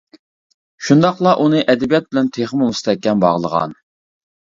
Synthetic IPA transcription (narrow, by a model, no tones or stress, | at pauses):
ʃund̪ɑqlˠɑʔunɨʔɛd̪ɛbijɛt̪̚bɪlɛnt̪ʰeχmumust̪ɛkʲːɛnbɑ̰ʁlˠəʁɑ̰n